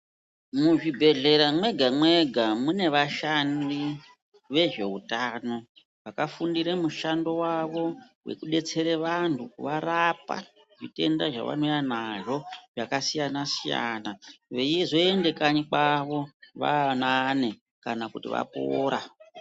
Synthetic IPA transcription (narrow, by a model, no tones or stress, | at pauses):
muʐibʱe̞ɮe̞ɾamwe̞ɡʱamwe̞ɡʱamune̞ʋaʃandi | ʋe̞ʐe̞utaːno̞ | ʋakafundiɾemuʃando̞waʋo̞ | we̞̰kuɗe̞t͡se̞ɾeʋantʰukuʋarapa̰ | ʐite̞̰nda̰ʐa̰ʋa̰no̞janaʐo̞ʐakasijanasija̰naʋejezo̞e̞nde̞kanikaʋo̞ʋa̰nane̞ | kanakutḭʋa̰po̰ːɾa